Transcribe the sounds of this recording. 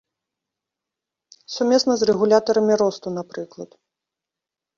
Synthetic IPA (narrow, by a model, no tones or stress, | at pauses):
sumʲɛsnɐzrɛɣulʲat̪ɐɾɐmʲiɾɔst̪unapɾɨklˠɐt̪